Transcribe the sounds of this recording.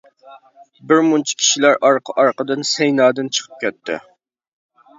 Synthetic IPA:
bɪɾmunt͡ʃʰi̥kʲʰi̥ʃilæɾɑɾqʰəʔɑɾqəd̪ɨnsɛjnɑːd̪ɨnt͡ʃʰə̥qʰə̥p̚kʲɛt̪ʰːɪ̰

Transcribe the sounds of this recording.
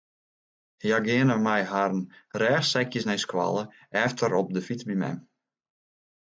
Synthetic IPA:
hjaɡɪənəmɛjɦaɾənrɛːxsɛkjəsnɛjskwa̰lˠə | ɛftʰəɾɔp̚dəfit͡sbimɛ̰m

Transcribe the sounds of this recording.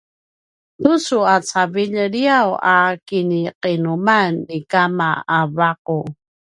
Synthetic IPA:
t̪usuat͡saviʎəɾiawakiniqinumanːikamaːvaqu

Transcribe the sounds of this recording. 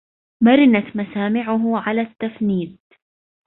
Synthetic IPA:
maɾɪnat̪masaːmɪʕʊɦʊʕalat̪ːafniːd̪̚

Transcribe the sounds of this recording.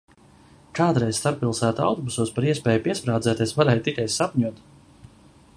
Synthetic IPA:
kaːd̪ɾɛjz̥st̪aɾpːilˠsæːt̪a̰wt̪ɔbusuːspaɾiɛspɛːjupiɛspɾaːd̪zɛːt̪ʲɛsvaɾɛːjt̪ikajsapɲuɔt̪

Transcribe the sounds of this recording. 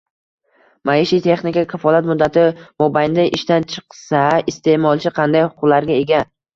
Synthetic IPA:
majɪʃit̪ʰe̞χnɪkʲakʲʰafɒlˠat̪mʊd̪ːat̪ʰɪmobajnd̪aʔɪʃt̪ant͡ʃʰɨ̥qsaɪst̪e̞ʔmɒlˠt͡ʃʰɪqʰɑnd̪ajhʊ̥qʰʊqlaɾɡʲae̞ɡʲa

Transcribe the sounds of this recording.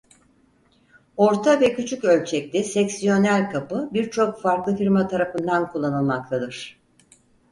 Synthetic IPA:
o̞ɾt̪ʰavɛcʰyt͡ʃʰycø̞lʲt͡ʃʰɛc̚lʲɛsɛcsijo̞nælʲkʰapɯbiɾt͡ʃʰo̞kfaɾklˠɯfiɾmat̪ʰaɾafɯnd̪ankʰulˠːanɯlˠmak̚t̪ʰad̪ɯɾ̝̥

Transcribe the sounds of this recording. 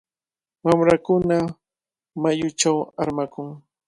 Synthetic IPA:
wamɾakʊna | majʊt͡ʃawaɾmakʊŋ

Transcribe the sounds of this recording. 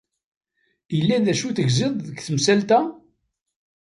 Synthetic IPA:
jəlːæðæʃuθəʝzɪðˤðəɡθəmsælt̪æ

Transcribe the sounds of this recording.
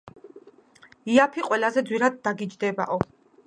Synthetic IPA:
iapʰiqʼwɛlazɛd̪zwiɾad̪̚ːaɡid͡ʒd̪ɛba̰ʔɔ

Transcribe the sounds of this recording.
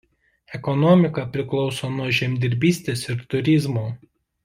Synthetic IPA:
ɛkɔnɔmʲɪkɐpʲɾʲɪklˠɒʊsoːnuɔʒʲɛmʲd̪ʲɪɾʲbʲiːsʲt̪ʲeːsɪɾt̪ʊɾʲɪzmoː

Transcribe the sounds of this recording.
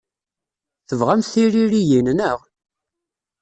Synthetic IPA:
θəvʁæmθθiɾiɾijinnəʁ

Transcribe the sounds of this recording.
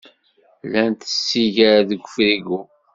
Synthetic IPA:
lænt̪ə̥sːiʝaɾaðəɡʷːəfɾiɡu

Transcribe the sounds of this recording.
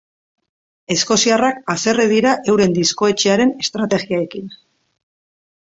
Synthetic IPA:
e̞sko̞siarakase̞reðiɾaʔe̞wɾe̞nd̪isko̞e̞t͡ʃeaɾe̞ne̞st̪ɾat̪e̞ɣiae̞kin

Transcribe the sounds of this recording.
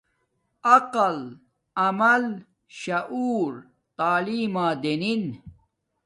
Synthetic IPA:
ɐqɐl | ɐmɐl | ɕɐʔuːɾ | t̪aːliːmaːd̪enin

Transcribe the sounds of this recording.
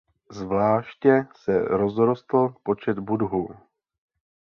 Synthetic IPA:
zvlaːʃcɛsɛ̰ɾo̞zɾo̞st̪l̩po̞t͡ʃɛd̪budɦu

